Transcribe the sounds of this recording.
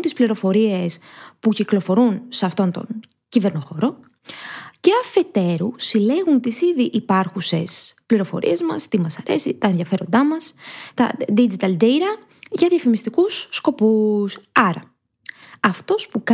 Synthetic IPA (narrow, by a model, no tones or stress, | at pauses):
nt̪ispliɾo̞fo̞ɾie̞spuciklo̞fo̞ɾunseɐft̪o̞nt̪o̞̰n | cive̞ɾno̞xo̞ɾo̞ | ce̞ɐfe̞t̪e̞ɾusile̞ɣunt̪isiðiʔipɐɾxuse̞spliɾo̞fo̞̰ɾʔḭe̞zmɐ̰st̪imɐsɐɾe̞sit̪ɐenðʝɐfe̞ɾo̞nd̪ɐmɐst̪ɐ̰d̪id͡ʒit̪ɐld̪ejɾɐ | ʝɐðjɐfimist̪ikusːko̞pusɐɾɐ | ɐft̪o̞spuk